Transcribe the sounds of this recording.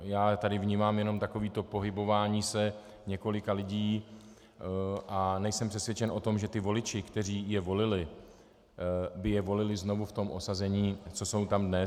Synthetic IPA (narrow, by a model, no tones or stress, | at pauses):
jaːt̪adɪvɲiːmaːmjɛno̞mt̪ako̞viːt̪o̞po̞ɦɪbo̞vaːɲiːsɛ | ɲɛko̞lɪkalɪɟiː | ʔanɛjsɛmpr̥ɛsvjɛt͡ʃɛnʔo̞t̪o̞mʒɛt̪ɪvo̞lɪt͡ʃɪkt̪ɛr̝iːjɛvo̞lɪlɪ | bɪjɛvo̞lɪlɪzno̞vuft̪o̞mʔo̞sazɛɲiːt͡so̞so̞wt̪amdnɛ